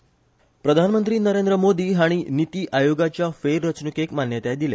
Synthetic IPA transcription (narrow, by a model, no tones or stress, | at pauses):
pɾəd̪ʱanmənt̪ɾiːnəɾend̪ɾəmod̪iːɦaɽ̃init̪iːʔajoɡat͡ɕjafeɾːət͡snukekmanjət̪ad̪ile